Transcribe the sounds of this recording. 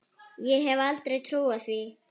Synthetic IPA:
jeɦɛʋaːlt̪ɾɪt̪ʰɾoːɐsʋeː

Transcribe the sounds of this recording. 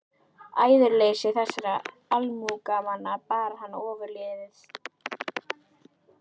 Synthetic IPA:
a̰ːjðʏɾleːjsɪθɛsːaɾa | almuːkamanːapaːɾahanːaɔːvʏɾlɪːðɪθ

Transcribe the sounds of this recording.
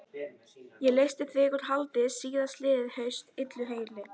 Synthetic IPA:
jɛlejst̪ɪθʰvɪkʏɾt̪halt̪ɪsiːðast̪lɪːðɪðhœɥst̪ɪt̪lʏɦeːjlɪ

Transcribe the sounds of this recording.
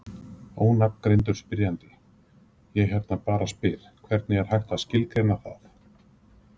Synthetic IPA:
oːwnap̪kɾejnt̪̬ʏ̥spɪɾjant̪ɪ | jɛɣɦɛɾt̪napaːɾaspɪɾ | kʰvɛɾt̪nɪɛɾ̥hajxt̪ascɪlkɾenaθaθ

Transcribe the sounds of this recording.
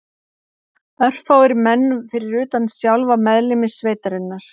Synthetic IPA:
œr̥θawɪɾmɛnːfɪɾɪɾʏːt̪ansjawlvamɛðlɪmɪsːveːjt̪aɾɪnːaɾ̥

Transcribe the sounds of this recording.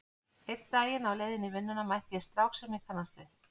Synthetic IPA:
ejt̪aːjɪnawleːjðɪnɪvɪnːʏnamajht̪jɛst̪ɾawxsɛmnɪkʰanːast̪lɪ

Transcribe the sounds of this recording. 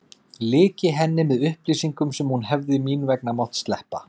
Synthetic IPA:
lɪːcɪɦɛnːɪmɛðʏhpliːsiŋkʏmsɛmhunɦɛvðɪmiːnvɛknamɔwht̪st̪lɛhpa

